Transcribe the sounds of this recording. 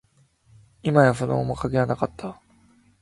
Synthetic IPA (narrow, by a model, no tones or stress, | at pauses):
imajaɸɯno̰mokakejanakat̪ʰːa